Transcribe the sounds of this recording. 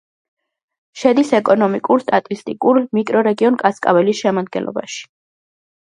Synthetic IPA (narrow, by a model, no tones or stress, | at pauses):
ʃɛd̪isɛkʼɔnɔmikʼuɾst̪ʼat̪ʼist̪ʼikʼuɾmikʼɾɔɾɛɡiɔnkʼaskʼa̰vɛlisʃɛmad̪̚ɡɛ̰nlˠɔ̰ba̰ʃi̥